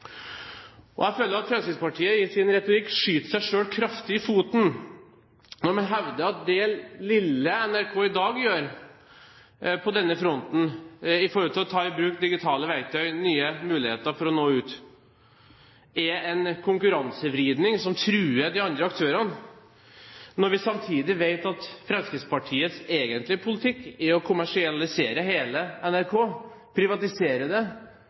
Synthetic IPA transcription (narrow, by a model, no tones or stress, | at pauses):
ʔɔ̰æɪføːləɾɑt̪fɾɛmskɪt̪spɑʈʰiːəɪsɪnɾɛt̪ʊɾɪkːʂyːt̪ʂæɪʂøːlkʰɾɑft̪ɪɪfuːt̪n̩ | nɔɾmɛnɦɛʋd̪əɑt̪̚d̪ɛlɪlːəɛnæɾkʰoːɪd̪ɑːɡjøːɾ | pʰɔd̪ɛnːəfɾɔnt̪n̩ɪfɔɾɔlt̪ʰɪlɔt̪ʰɑːɪbɾʉːkd̪ɪɡɪt̪ʰɑːləʋæɪt̪ʰœʏnyːəmʉːlɪheːt̪əɾfɔɾɔnoːʉːt̪ | ɛɛnkʰʊŋkʉɾɑnsəʋɾiːd̪nɪŋsɔmt̪ʰɾʉːəd̪ɪɑnd̪ɾəɑkt̪ʰøːɾɑn | nɔɾʋɪsɑmt̪ʰiːd̪ɪʋeɪt̪ɑt̪fɾɑnskɪspɑʈʰiːət̪seːɡənt̪lɪəpʰʊlɪt̪ʰɪkːɪɔkʰʊmæʂɪɑlɪseːɾəɦeːləɛnæɾkʰoː | pʰɾɪʋɑt̪ɪseːɾəd̪ɛ